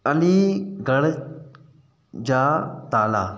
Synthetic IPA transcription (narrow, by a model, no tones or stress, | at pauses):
ɐliːɡɐɽ | d͡ʑaːt̪aːlaː